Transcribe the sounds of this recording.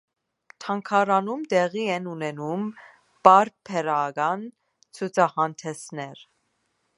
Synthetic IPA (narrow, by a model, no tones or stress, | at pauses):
t̪ʰɑŋkʰɑɾɑnumt̪ɛʁiɛnunɛnum | b̥ɑɾpʰɛɾɑɡɑn | t͡sʰut͡sʰɑhɑnt̪ʰɛsnɛɾ